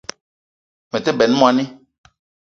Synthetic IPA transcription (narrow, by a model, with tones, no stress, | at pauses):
mɛ̃˨t̪ɛ˦bɛ˨nũ˦mõ˦ã˨nɛ̃˦